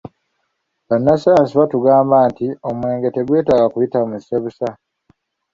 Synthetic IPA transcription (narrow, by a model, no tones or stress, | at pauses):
βanːasajansiβatuɡaːmbaːntiomwe̞ːŋɡe̞te̞ɡwe̞ːtaːɡakujitamuziseβusa